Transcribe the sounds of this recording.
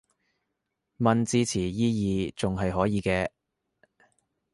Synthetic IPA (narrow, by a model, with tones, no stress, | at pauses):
mɐ˧nt͡siː˧t͡sʰiː˨˩jiː˥jiː˨˧t͡sʊ˨ŋɦɐ˨jɦɔː˨˥jiː˨˧kɛː˧